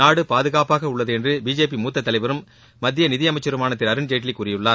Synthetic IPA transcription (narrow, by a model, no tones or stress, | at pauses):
aːɽɯpaːðɯɣaːpaːɣɐʊɭːɐðɯɛndrɯbiːd͡ʒeːp̬imuːt̪ːɐt̪ːɐlɐɪʋɐɾɯmː | ɐd̪ːɪjɐnɪðɪjɐmɐɪt͡ʃːɐɾɯmaːnɐt̪ːɪɾɐɾɯnd͡ʒeːʈ̬ːɪlɪkːʊːrɪjɯɭːaːɾ